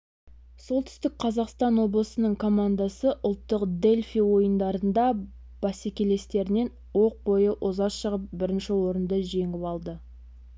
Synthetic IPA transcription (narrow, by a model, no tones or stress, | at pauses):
so̞lˠt̪ʰʏ̥st̪ɪk̚qʰɑzɑqst̪ɑnwo̞blˠəsənəɴkʰo̞mand̪ɑsəʔʊlˠt̪ːəqd̪e̞lʲfijwo̞jənd̪ɑɾənd̪ɑ | b̥ɑsekʲele̞st̪e̞ɾɪne̞n | wo̞q̚bo̞jəʔozɑsʃəʁəp̚bɪɾɪnʃɪwo̞ɾənd̪əʒe̞ŋɪpɑlˠd̪ə